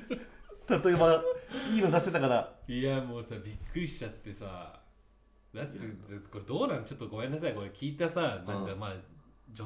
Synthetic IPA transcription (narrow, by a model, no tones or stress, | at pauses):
t̪at̪o̞ebaiːnod̪aset̪akaɾaiamo̞ːsaːbʲikːɯ̟ɾʲiɕi̥t͡ɕat̪ːe̞sa | d̪at̪ːed̪ako̞ɾe̞d̪o̞ːnãnt͡ɕo̞t̪ːoɡo̞mẽ̞nːas̬ajko̞ɾe̞kʲiːt̪asanãŋkamaː | d͡ʑo